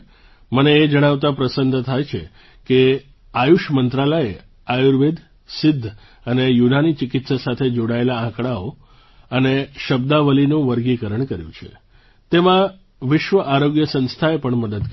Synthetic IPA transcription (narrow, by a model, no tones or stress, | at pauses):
məneːd͡ʒəɽ̃aʋt̪apɾəsənd̪ʱt̪ʰajt͡ʃʰe | ke | ajuʃmənt̪ɾaləe | ajuɾʋid̪ | sɪd̪ʱː | ənejunanit͡ʃɪkɪt̪sasat̪ʰed͡ʒoɽaelaãkɽao | əneʃəbd̪aʋəlinũʋəɾɡikəɾəɳkəɾjũt͡ʃʰḛ | t̪emã | ʋɪʃʋəʔaɾoɡjəsə̃nst̪ʰaepəɳməd̪əd̪